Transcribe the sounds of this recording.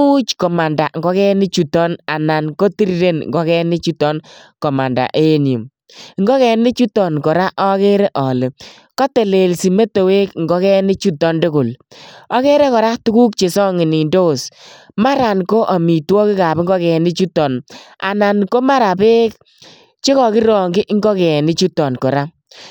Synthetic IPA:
u˦t͡ʃkɔ˨ma˨nda˨ŋɡɔ˦kɛ˦nɪ˦t͡ʃu˨tɔ˦na˨na˨nko˦ti˦ɾi˦ɾe˦nŋɡɔ˦kɛ˦nɪ˦t͡ʃu˦tɔ˦nkɔ˨ma˨nda̰˨ʔe˦nju˨m | ŋɡɔ˦kɛ˨nɪ˦t͡ʃu˦tɔ˨nkɔ˨ɾa˦ʔɔ˦ke˦ɾe˦ʔɔ˨lɪ˨ | kɔ˦te˨le˨lsi˨me˦to˨we˦kŋɡɔ˦kɛ˦nɪ˦t͡ʃu˦tɔ˦ndʊ˦kʊ˨lɔ˦ke˦ɾe˦kɔ˨ɾa˦tu˦ku˦k̚t͡ʃe˨sɔ˦ŋɪ˨ni˨ndo˦s | ma˦ɾa˨nko˦ʔa˨mi˨twɔ˦kɪ˦ka˨pŋɡɔ˦kɛ˨nɪ˦t͡ʃu˦tɔ˨na̰˨na˨nko˦ma˦ɾa˨pe˦k | t͡ʃe˦kɔ˨kɪ˦ɾɔ˨ŋɡɪ˦ʔŋɡɔ˦kɛ˨nɪ˦t͡ʃu˦tɔ˨nkɔ˨ɾa˦

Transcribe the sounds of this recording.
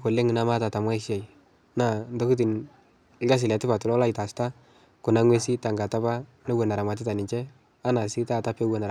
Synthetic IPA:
ko˨le˦ŋɪ˨na˦ma˦ta˨ta˨mwa˦ɪ˦ʃa˨j | na˨ndo˦ku˦t̬i˨n | ɪ˦ɡa˦s̬ɪ˨lɛ˨tɪ˦pa˨tʊ˨lɔ˦la˦ɪ˨ta˨sta˦ | kʊ˨na˨˦ŋwe˦si˦ta˨ŋɡa˨ta˦pa˦ne˦we˨na˨ɾa˨ma˨t̬ɪ˦ta˨nɪ˨ɲt͡ʃɛ˦ | a˦na˨si˦ta˦ta˦pe˦we˨na˨

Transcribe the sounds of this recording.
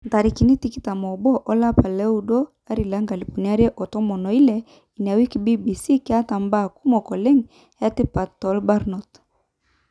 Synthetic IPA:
nta˨ɾi˨ki˨ni˦ti˦ki˦ta˨mɔ˨bɔ˦ʔɔ˦la˦pa˨lɛ˦u˨˦dɔ˦ | a˦ɾi˨la˨˦ŋɡa˨li˨pu˨ni˨˦a˦ɾjɛ˦ʔɔ˨tɔ˦mɔ˨nɔ˨i˦lɛ˨ | i˨n˨a˨wi˦ki˨bi˦bi˨si˦ki˦a˦ta˨mba˦˨ku˦mɔ˨kɔ˨lɛ˦ŋ˨ | ɛ˦ti˦pa˨tɔ˨˦lba˦ɾnɔ˨t

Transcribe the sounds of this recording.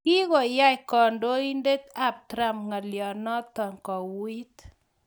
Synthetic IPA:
ki˦ɣɔ˨ja˦˨kɔ˨ndo˦i˦nde˦t̪a˦˨p̚t̪ɾa˦mŋa˨ljɔ˨nɔ˦t̪ɔ˨ŋkɔ˨wi˦t̪

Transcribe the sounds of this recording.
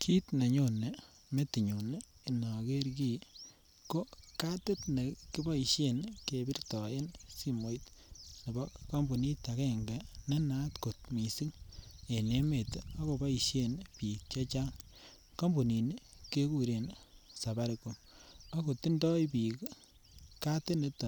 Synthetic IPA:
kʰi˦tne˨ɲo˨ne˨ | me˦ti˨ɲo˨ne˦i˨nɔ˨ke˦ɾki˦˨ | ko˦ka˦te˦tne˨kɪ˦ba˦i˨ʃje˦nke˨bi˦rtɔ˨e˦nsi˦mo˨jtne˨bɔ˦ka˦mbu˨ni˦ta˨kɛ˦ŋɡe˨ne˦na˦tko˨tmi˨si˦ŋe˨ne˦me˨ta˦ko˨ba˦i˨ʃje˦npi˨k̚t͡ʃe˦t͡ʃa˦ŋ | ka˦mbu˨ni˨nke˦ku˨ɾe˨nsa˨ba˦ɾe˨ko˨ma˦ko˨ti˦ndɔ˦jpi˨k | ka˦te˦ne˨˦ta˨

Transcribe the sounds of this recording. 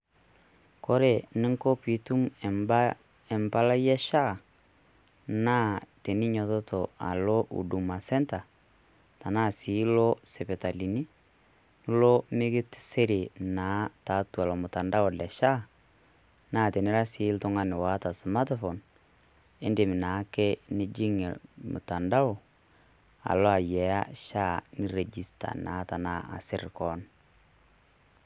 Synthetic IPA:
kɔ˦ɾe˨nɪ˦ŋko˦pi˨tu˦mɛ˨mba˦ | ɛ˨mba˦la˦jɛ˦ʃa˦˨ | naː˦te˨nɪ˦ɲɔ˨tɔ˦tʰo˨a̰˨lo˦ʔṵ˨du˨ma˨sɛ˦nta˨ | ta˨naː˦˨si˨˦lo˦se˨pɛ˨ta˨li˨ni˦ | nʊ˦lo˦mɪ˦ɡɪ˦tse˦ɾe˨na˨˦ta˨˦tu˨a˨lɔ˨mʊ˨ta˨nda˦ɔ˨lɛ˨ʃa˦ | naː˦˨tɛ˨nɪ˦ɾa˦sɪ˨˦ltʊ˦ŋa˦nɪ˨wa˨˦ta˨sma˦tfo˨n | e˦nde˨mɪ˨naː˨˦ke˦ne˦d͡ʒi˦ŋɛ̰˨lmʊ̰˨ta˨nda˦o˨ | a̰˨lɔ˦a˨jɛ˨a̰˦ʃa˦˨nɪ˦re˨d͡ʒi˨sta̰˨na̰˨˦ta˨na˦a̰˨sɪ˦rkɔ˦n

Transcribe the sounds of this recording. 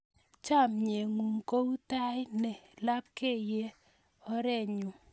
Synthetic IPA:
t͡ʃa˦˨mɲe˨ŋu˨ŋko˦u˦ta˦ɪ˦nɛ˨la˦p̚ke˦˨je˦ | ɔ˦ɾɛ˦˨ɲʊ˨

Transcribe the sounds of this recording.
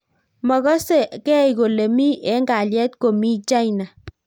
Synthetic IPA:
mɔ˨ɣɔ˦se˦˨kɛ˦˨i˨ko˨le˨mi˦ʔɛ˨˦ŋɡa˨ljɛ˦tko˨mi˦t͡ʃa˦i˨na˨

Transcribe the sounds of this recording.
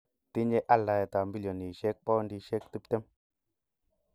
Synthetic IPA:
t̪i˦ɲe˦ʔa˦˨la˨je˨t̪a˨mbi˦ljo˨ni˨ʃe˦k̚pɔ˦ndi˦ʃe˦k̚t̪u˦p̚t̪e˦m

